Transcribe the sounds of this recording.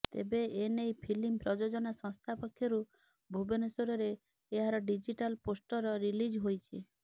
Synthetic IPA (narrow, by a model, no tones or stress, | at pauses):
t̪ḛbeenejpʰilimpɾɔd͡ʒod͡ʒɔnasɔ̃ŋst̪ʰapɔkʰːjɔɾu | bʱubenɔsoɾɔɾeː | ɦaɾɔɖid͡ʒiʈalposʈɔɾɔɾilid͡ʒɦojt͡ʃʰi